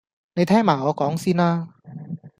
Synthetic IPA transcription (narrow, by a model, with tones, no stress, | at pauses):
ne˨˧jt̪ʰɛː˥˩maː˨˩ɔː˨˧˥kɔː˨˦˥ŋsiː˧˥naː˧